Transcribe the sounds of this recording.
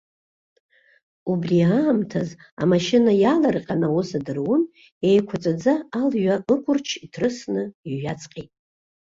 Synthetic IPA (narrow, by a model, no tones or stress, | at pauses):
ubriaːmtʰaz | a̰maʃɪnajalarqʲʼanawʊsadɨrwʊn | ejkʷʰat͡sʷʼad͡zaːlɥaʔɨkʷʰʼʊrt͡ʃʰitʰrɨsnɨiʒat͡sʰʼqʲʼetʼ